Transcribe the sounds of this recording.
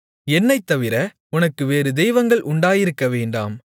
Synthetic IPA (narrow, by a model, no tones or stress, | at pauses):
ɛnːɐɪt̪ːɐʋɪɾɐ | ʊnɐkːɯʋeːɾɯd̪ɛjʋɐŋɡɐɭʔʊɳɖaːjɪɾɯkːɐʋeːɳɖa̰ːm